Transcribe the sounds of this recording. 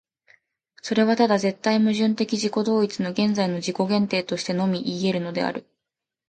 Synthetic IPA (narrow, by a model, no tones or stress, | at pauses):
so̞ɾe̞β̞at̪ad̪aze̞t̪ːaimɯ̟ʑɨ̃nt̪e̞kʲiʑiko̞d̪o̞ːit͡sɨno̞ɡẽ̞nd͡zaino̞ʑiko̞ɡẽ̞nt̪e̞ːt̪o̞ɕi̥t̪e̞no̞mʲiʔiːe̞ɾɯ̟no̞d̪e̞̰a̰ɾɯ̟